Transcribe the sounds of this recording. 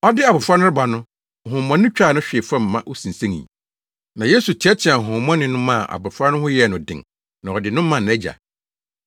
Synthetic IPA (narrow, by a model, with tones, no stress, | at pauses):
ɔ˦dɪ˦a˨bʊ˨fa˦nʊ̃˦ɾɪ˦ba˨nʊ̃˦˨ | ɦʊ̃˨mɔ̃˦nʊ̃˦t͡ɕᶣaː˦˨nʊ̃˦ɕᶣɪ˨ɛ˨fã˦˨mː˨ã˦ʔo˦sĩ˨n˨sæ̃˦ŋḭ̃ː˨ | nã˨je˦su˨t͡ɕʰɛ˦t͡ɕʰɪ˨ã˨ɦʊ̃˨˦mɔ̃˦nɪ̃˨nʊ̃˦mã˦˨ʔa̰˨bʊ˨fɾa˦nʊ̃˦hʊ̃˦jɛ˨nʊ̃˨dɪ̰̃˨ŋ | nã˨ɔ˨dɪ˨nʊ̃˦mː˦ã˦˨n˨æ˦d͡ʑa̰˨